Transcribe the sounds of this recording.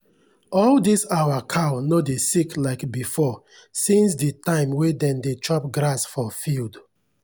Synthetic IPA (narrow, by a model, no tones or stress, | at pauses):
ɔldisawakʰaʊnodesiklaɪkbifɔ | sĩns̬ditãɪ̃mwedɛ̃ndetʰɹɔp̚ɡɹasfɔfild